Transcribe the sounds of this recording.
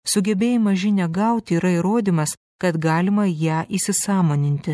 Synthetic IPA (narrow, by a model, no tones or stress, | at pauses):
sʊɡʲɛbʲeːjɪmɐʒʲɪnʲɛɡɐʊt̪ʲiːɾɐiɾoːd̪ʲiːmɐs | kɐt̪ɡɑːlʲɪmɐjæːʔiːsʲɪsɑːmoːnʲɪnʲt̪ʲɪ